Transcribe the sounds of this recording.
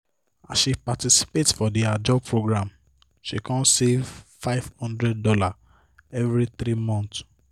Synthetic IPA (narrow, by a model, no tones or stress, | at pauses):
asʃipatisi̥petfɔdiad͡ʒɔpʰɹoɡɹãm | ʃikɔ̃nsevfaɪv̥hɔ̃ndɹɛd̚dɔla | ɛvɹit̪ɾimɔ̃nt